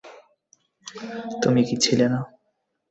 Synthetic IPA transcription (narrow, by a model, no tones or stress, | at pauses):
t̪umikit͡ɕʰilena